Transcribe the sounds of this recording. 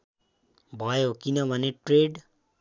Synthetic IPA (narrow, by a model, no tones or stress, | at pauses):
bʱʌjokinʌbʱʌneʈreɖ